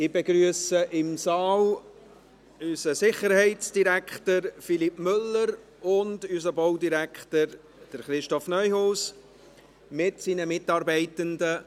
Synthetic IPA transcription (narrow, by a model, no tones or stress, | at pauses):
ɪbeɡɾyəsəʔɪmsɑːl | ysəsɪχəɾhɛɪtt͡sd̥iɾækχtəɾfilipmʏlːəɾ | ʊndysəbɔwdiɾækχtəɾ | d̥əɾχɾɪʃtɔfnœʏhoːs | mɪtsiːnəmɪtɑːɾbɛɪtəndə